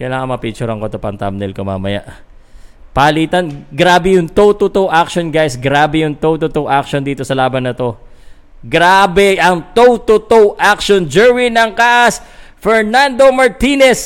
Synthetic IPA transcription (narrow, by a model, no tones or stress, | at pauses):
kɐjlaːŋɐmɐpit͡ʃʊɾɐŋkot̪opɐnt̪a̰mnɛlkoma̰ːmɐ̰ja̰ʔ | pɐɐliːt̪ɐnɡɾaːbɛjʊŋt̪owt̪ot̪owʔakʃonɡajsɡɾaːbɛjʊŋt̪owt̪ot̪owʔak̚ʃond̪iːt̪o̞sɐlaːbɐnːɐt̪o̞ | ɡɾaːbɛʔɐŋt̪owt̪ot̪owʔak̚ʃond͡ʒɛwinɐŋkaʔɐsfɛɹnand̪o̞mɐɹt̪inɛs